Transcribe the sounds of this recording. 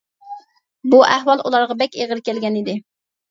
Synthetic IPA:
buʔæhwɑlˠʔulˠɑɾʁɑbɛkʲeʁəɾkʲɛlɡʲɛnid̪ɪ

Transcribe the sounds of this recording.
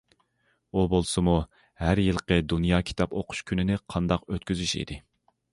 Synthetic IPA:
ubolˠsɨmu | hæɾjɨlˠqəd̪unjɑːkʲʰi̥t̪ʰɑpoqʰʊ̥ʃkʲʰynɪnɪqʰɑnd̪ɑqøt̪̚kʲyzyʃḭd̪ɪ

